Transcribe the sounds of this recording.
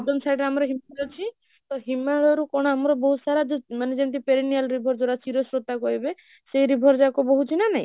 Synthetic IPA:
d̪ɔmsajɖɾeamɔɾɔɦimaɾɔt͡ʃʰi | t̪ɔɦimaɽɔɾukɔɽ̃ɔamɔɾɔbɔɦusaɾad͡ʒomaned͡ʒent̪̬ipeɾinijalɾibʱɔɾd͡ʒoɽat͡ʃiɾɔsɾot̪akɔɾibe | sejɾibʱɔɾd͡ʒakɔbɔɦut͡ʃʰinanaɦḭ̃

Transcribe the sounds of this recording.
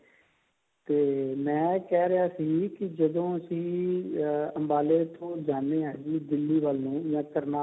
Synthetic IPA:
t̪eːmɛ̃ːkɛːɾɪɦaːsiːkɪd͡ʒəd̪õːəsĩː | əmbaːleːt̪ʰõːd͡ʒaːneːãːd͡ʒiːd̪ɪlːiːʋəlnũːjãːkəɾnaː

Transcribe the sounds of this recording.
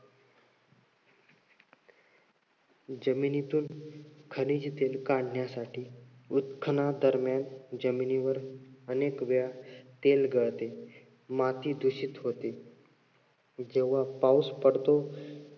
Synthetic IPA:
d͡ʑəminit̪uːnkʰənid͡ʑit̪elkãɖ̤ɳjasaʈʰiːut̪kʰənad̪əɾmjand͡ʑəminiʋəɾənekʋjat̪elɡəɭt̪e | mat̪iːd̪ʱuɕit̪ɦot̪e | d͡ʑeʋ̤apauspəɽt̪o

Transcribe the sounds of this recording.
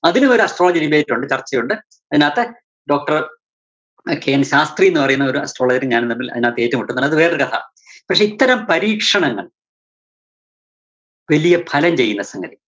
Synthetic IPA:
ɐðinumo̞ɾuɐsʈroɭɐd͡ʑiɾibeːtːuɳɖɨt͡ɕɐrt͡ɕːɐjuɳɖɨ | ɐðinaːt̪ːe | ɖo̞ːk̚ʈɐr | keːnɕaːst̪rienːɨpɐrɐjunːɐo̞ɾuɐ̰sʈro̞ːɭɐd͡ʑɐɾɲaːnnɐmːilɐ̰ðinaːt̪ːeeːtːumuʈːunːɐɐðɨʋe̞ːrɨkɐt̪ʰɐ̰ | pɐkʂe̞it̪ːɐɾɐmpɐɾiːkʂɐɳɐŋːɐɭ | ʋɐlijɐpʰɐlɐmt͡ɕe̞jːunːɐsɐŋɡɐɾi

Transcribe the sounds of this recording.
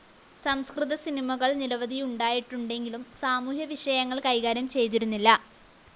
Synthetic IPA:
sɐmskriðɐsinimɐɣɐɭniɾɐʋɐðijuɳɖaːjiʈːuɳɖe̞ŋɡilumsaːmuːhjɐʋiʂɐjɐŋːɐɭkɐjɣaːɾjɐmt͡ɕe̞jt̪iɾunːilːɐ

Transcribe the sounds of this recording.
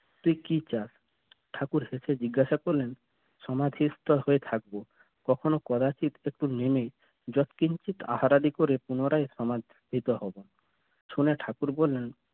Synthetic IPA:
t̪uikit͡ɕas | ʈʰakuɾhesed͡ʑiɡːaʃakoɾlen | ʃɔmad̪ʱist̪ɔhoet̪ʰak̚bo | kɔkʰonokɔd̪at͡ɕit̪ek̚ʈunemej | d͡ʑɔt̪kint͡ʃit̪a̰haɾad̪ikoɾepunoɾaeʃɔmad̪ʱit̪ɔɦɔbon | ʃuneʈʰakuɾbolːen

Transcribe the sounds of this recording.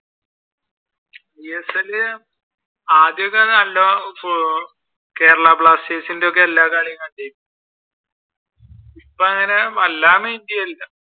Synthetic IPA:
iesɐlɨ | aːd̪jɐokːɐðɐɐlːo | ke̞ːɾɐɭaːpɭaːst͡ɕeːsindeok̬ːe̞ɐlːaːkaːɻjɐŋːɐɭt͡ɕejku | ipːoɐŋːɐneʋɐlːaːmeindijɐilːɐ

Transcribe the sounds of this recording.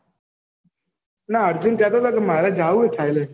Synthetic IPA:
naəɾd͡ʒʊnkɛːt̪oːt̪aːkemaːɾaːd͡ʒaːuːet̪ʰaːileː

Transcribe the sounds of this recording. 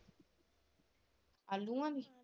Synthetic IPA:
aluŋani

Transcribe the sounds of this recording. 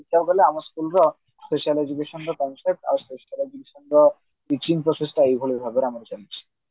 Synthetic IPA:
it̪ʰːabkɔleamaɾskulɾɔ | speʃialed͡ʑukeʃɔnɾɔkɔnsep̚ʈa̰speʃialed͡ʒukeʃɔnɾɔ | it͡ɕinpɾosesʈaejbʱolibʱabeɾamaɾt͡ɕalit͡ɕʰi̥

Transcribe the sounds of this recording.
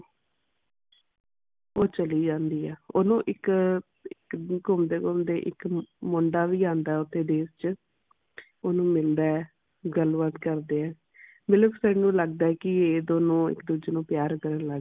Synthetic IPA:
oːt͡ʃəliːd͡ʒãːnd̪iːɛːoːnũːʔɪk | ɪkɡʊmd̪eːɡʊmd̪eːʔɪ̰kmʊɳɖaːʋiːãːnd̪aːɛːʊt̪ʰːeːd̪eːst͡ʃə | oːnũːmɪld̪aːɛ | ɡəlʋət̪kəɾd̪eːɛː | mɪləbsənũːləɡ̚d̪aːɛkɪeːd̪oːnũːɪ̰kd̪uːd͡ʒenũːpjaːɾkəɾənlə

